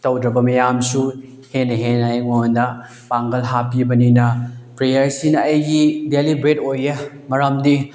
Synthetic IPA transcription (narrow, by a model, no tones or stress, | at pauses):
tɐwdɾɐbɐmɐjamsu | henːɐɦenɐjŋojndɐ | paŋɡɐlɦapibɐninɐpɾejɐɾsinɐːjɡidelibɾet̚ojːɐ | mɐɾamdi